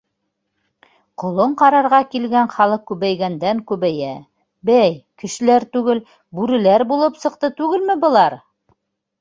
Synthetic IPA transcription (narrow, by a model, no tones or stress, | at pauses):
qŏlˠoɴqɑɾɑɾʁɑkilɡæɴχɑlˠɤq̚kʉβæjɡænd̪æŋkʉβæjæ | bæjkɘ̆ʃɘ̆læɾt̪ʉɡɘl | bʉɾɘ̆læɾbulˠɤpsɤ̆q̚t̪ɤt̪ʉɡɘlmɘbɤ̆lˠɑɾ